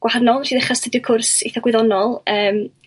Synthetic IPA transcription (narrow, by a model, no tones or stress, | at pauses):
ɡ̥waharnɔlˠʃiːðɪχastʰədikʰʊrsḭθɔɡwɪðɔnɔlˠəːm